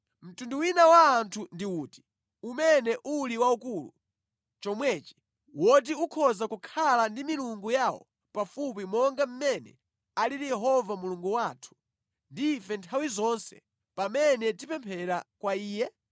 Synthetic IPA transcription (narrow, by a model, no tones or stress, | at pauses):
m̩tunduwinawaːntʰundiuːti̥ | umɛnɛʔuliwaukulṵ | t͡ʃɔmwɛːt͡ʃi̥ | wɔt̬iukʰɔzakukʰalandimiluŋɡujawɔ̰ | pafup̬imɔŋɡam̩mɛnɛ̰ | aliɾijɛɦɔvamuluŋɡuwaːtʰu̥ | ndiːfɛntʰawizɔnsɛ̰ | pamɛnɛtipɛmpʰɛɾakwaiːjɛ